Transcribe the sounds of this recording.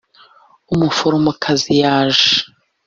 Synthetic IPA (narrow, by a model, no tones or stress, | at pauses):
umufoɾomukʰazijaːʒe